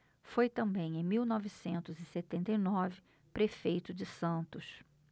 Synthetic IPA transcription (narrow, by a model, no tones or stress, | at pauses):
fojt̪ɐ̃mbẽj̃ẽj̃miwnɔvisẽnt̪ʊzɪset̪ẽnt̪ejnɔvɪ | pɾefejt̪ʊd͡ʒɪsɐ̃nt̪ʊs